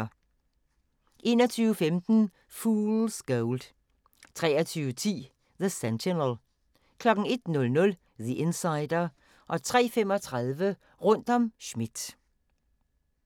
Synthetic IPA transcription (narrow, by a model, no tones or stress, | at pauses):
ʔe̝ːnɒt͡sʰyːʊəfemd̥n̩ | fuːlsɡ̥oʊld̥ | t͡sʰʁɛ̰ːɐt͡sʰyːʊət͡sʰḭː | ðəsɛntenəlˠ | kʰlɒ̽ɡ̥ŋ̩e̝d̥nɔ̽lnɔ̽l | ðiʔe̝nsɑ̈ɪd̥ɐ | ʔɒ̽t͡sʰʁɛ̰ːfemɒ̽t͡sʰʁaðˠʋə | ʁɔn̰d̥ɒ̽mʃmid̥